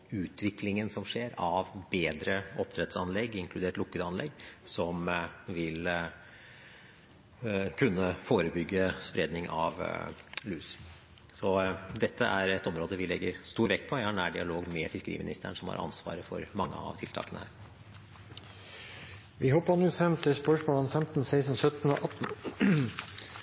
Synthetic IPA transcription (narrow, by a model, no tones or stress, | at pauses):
ʉːt̪ʰʋɪklɪŋənsɔmʂeːɾɑʋbeːd̪ɾəʔɔpːt̪ʰɾɛt̪sɑnlɛɡːɪŋkʰlʉd̪eːʈlʊkːəd̪ɑnlɛɡːsɔmʋɪl | kʰʉnːəfoːɾəbʏɡːəspɾeːd̪nɪŋɑ̰ʋlʉːs | sɔd̪ɛt̪ʰːəʔæɾɛt̪ːɔmɾoːd̪əʋɪlɛɡːəɾst̪uːʋɛk̪ːpʰɔjæɪhɑɳæːɖɪɑloːɡmɛfɪskəɾḭːmɪnɪst̪ʰæ̰ɳʂɔmhɑ̰ɾʔɑ̰nsʋɑ̰ːɾəfɔ̰ɾmɑŋːə̰ɑ̰ʋt̪ʰɪlt̪ʰɑ̰ːkənəhæ̰ːɾ | ʋɪhɔpːənʉːfɛmt̪ʰɪspœʂmoːlɑnfɛmt̪n̩seɪsn̩sœt̪n̩o̰ːʔɑt̪n̩